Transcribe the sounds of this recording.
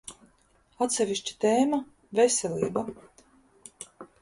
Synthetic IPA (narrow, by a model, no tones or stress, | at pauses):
at̪sʲɛvʲiʃt͡ɕi̥t̪eːma | vesʲɛlʲiːba